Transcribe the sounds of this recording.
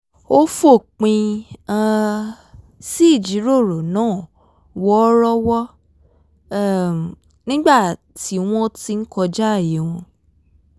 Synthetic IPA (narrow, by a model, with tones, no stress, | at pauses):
o˦fo˦˨k͡pĩ˧ã˧ | si˦˨d͡ʒi˨˦ɾo˦˨ɾo˨nãː˦˨ | wɔ˦ɾɔ˦wɔ˦˨ | nĩ˦ɡ͡ba˦˨ | ti˨˦w̃ɔ̃˦ti˧˦n̩˦kɔ˧d͡ʒa˦˨ji˨˦w̃ɔ̃˧